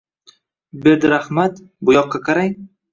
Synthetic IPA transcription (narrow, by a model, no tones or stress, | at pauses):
bed̪ɾahmat̪ | bʊjɒqːɑkʰaɾaŋ